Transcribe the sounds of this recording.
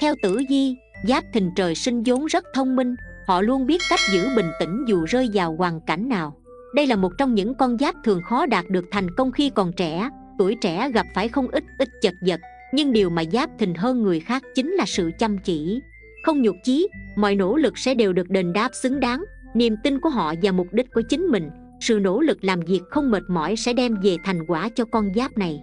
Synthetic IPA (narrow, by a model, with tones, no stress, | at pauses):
t̪ʰɛ˧wt̪ɨ̰˧˥zi˧ | zaː˦˥p̚t̪ʰï˨˩ŋ̟t͡ɕəː˨˩jsï˧ŋ̟zo˨˦nzə˦˥t̚t̪ʰə˧wŋ͡mmï˧ŋ̟hɔ̰˧˨lu˧ənɓi˦˥ət̚ka˦˥jk̟̚zɨ̰˧˥ɓï˨˩ŋ̟t̪ï˧˩ŋ̟zu˨˩zəː˧jzaː˨˩wɣwaː˨˩ŋka̰˧˩jŋ̟naː˨˩w | ɗə˧jlaː˨˩mo˨˩t̚t͡ɕɔ˧wŋ͡mɲɨ̰˧˥ŋkɔ˧nzaː˦˥p̚t̪ʰɨ˨˩əŋxɔ˨˦ɗaː˨˩t̚ɗɨ˨˩ək̚t̪ʰa˨˩jŋ̟kə˧wŋ͡mxi˧kɔ˨˩nt͡ɕɛ̰˧˥ | t̪u˧˩əjt͡ɕɛ̰˧˩˥ɣa˨˩p̚faː˧˩jxə˧wŋ͡mʔi˦˥t̚ʔï˦˥t̚t͡ɕə˨˩t̚zə˨˩t̚ | ɲɨ˧ŋɗi˨˩əwmaː˨˩zaː˦˥p̚t̪ʰï˨˩ŋ̟ɦəː˧nŋɨ˨˩əjxaː˦˥k̚t͡ɕï˨˦ŋ̟laː˨˩sɨ̰˧˨t͡ɕə˧˩mt͡ɕḭ˧˨ | xə˧wŋ͡mɲu˨˩t̚t͡ɕi˨˦mɔ̰˧˨jno̰˧˥lɨ˨˩k̚sɛ̰˧˥ɗe˨˩wɗɨ˨˩ək̚ɗe˧˩nɗaː˦˥p̚sɨ˨˦ŋɗaː˨˦ŋ | ni˨˩əmt̪ï˧nku˧˩əɦɔ̰˧˨vaː˨˩mʊ˨˩k͡p̚ɗï˦˥k̟̚ku˧˩ət͡ɕï˨˦ŋ̟mï˨˩ŋ̟ | sɨ̰˧˨no̰˧˥lɨ˨˩k̚laː˨˩mvi˨˩ək̚xə˧wŋ͡mməː˨˩t̚mɔ̰˧˩˨jsɛ̰˧˥ɗɛ˧mve˨˩t̪ʰa˨˩jŋ̟kwaː˧˩t͡ɕɔ˧kɔ˧nzaː˦˥p̚na˨˩j